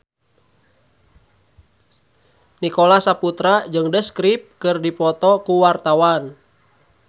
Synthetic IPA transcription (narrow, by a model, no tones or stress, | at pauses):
nikolasaput̪ɾad͡ʒɨŋdəskɾip̚kɨrdipɔt̪ɔkuwart̪awan